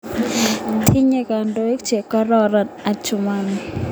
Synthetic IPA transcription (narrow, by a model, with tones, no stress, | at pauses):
t̪ʰi˦ɲe˨ka˨ndo˦i˦k̚t͡ʃe˨kɔ˦ɾɔ˦ɾɔ˨na˨t͡ʃʊ˨man